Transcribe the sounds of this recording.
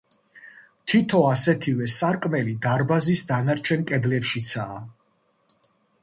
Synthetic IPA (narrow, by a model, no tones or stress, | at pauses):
t̪ʰit̪ʰɔasɛt̪ʰivɛsaɾkʼmɛlid̪aɾbazisd̪anaɾt͡ʃʰɛnkʼɛd̪lɛpʃit̪sʰaː